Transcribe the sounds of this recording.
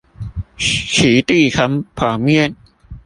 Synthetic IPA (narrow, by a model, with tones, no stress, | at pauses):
kʰiː˩˦t̪iː˥˩kʰa˧˦˥mpʰaː˨˩mi˦˥˩ə˨n